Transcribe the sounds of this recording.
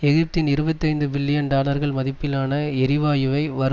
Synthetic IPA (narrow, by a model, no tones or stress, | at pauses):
ɛɣɪp̚t̪ɪnɪɾɯbɐt̪ːɐɪnd̪ɯbɪlːɪjɐnɖ̪aːlɐɾɣɐɭmɐðɪpːɪlaːnɐɛɾɪʋaːjɯʋɐɪʋɐɾɯ